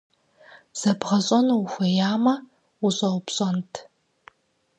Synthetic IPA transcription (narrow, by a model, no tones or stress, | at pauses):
z̥ɐbʁɐɕʼɔnxʷɐjaːmɐ | uɕʼɐwpɕʼɔntʰ